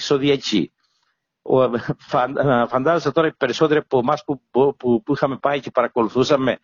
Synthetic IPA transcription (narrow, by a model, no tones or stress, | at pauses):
soðiɐcḭ | fɐnfɐnd̪ɐzosɐt̪o̞ɾɐipeɾiso̞t̪iɾepomɐspupupuixɐme̞pɐice̞pɐɾɐko̞luθusɐme̞